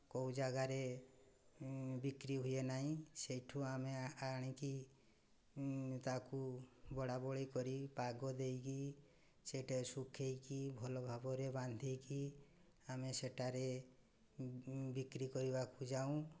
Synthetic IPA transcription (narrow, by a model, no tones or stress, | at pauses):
koud͡ʒaɡaɾe | bikɾiɦujenaɦĩsejʈʰũameaɽ̃iki | t̪akubɔɽabɔɭejkɔɾipaɡɔd̪ejki | seʈasukʰejkibʱɔlɔbʱabɔɾeband̪ʱejki | ameseʈaɾe | bikɾikɔɾibakud͡ʒaũ